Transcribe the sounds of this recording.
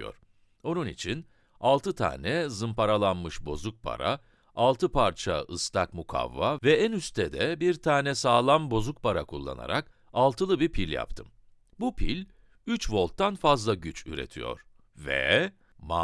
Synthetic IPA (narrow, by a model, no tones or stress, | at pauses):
jo̰ɾ̥ | o̞nunḭt͡ʃʰin | alˠt̪ɯt̪ʰa̰ːnɛzɯmpʰaɾalˠanmɯʃbo̞zuk̚pʰa̰ɾa̰ | alˠt̪ʰɯpʰaɾt͡ʃʰaɯst̪ʰakmukʰa̰vːavɛænyst̪ʰɛd̪ɛbiɾt̪ʰaːnɛsaːlˠambo̞zuk̚pʰaɾakʰulˠːa̰na̰ɾak | alˠt̪ʰɯlˠɯbipʰilʲja̰pt̪ʰɯm | bupʰḭlʲ | yt͡ʃvo̞lˠt̪ːanfazlˠaɟyt͡ʃy̰ɾḛt̪ʰijo̞̰ɾ̥ | vɛ̰ | ma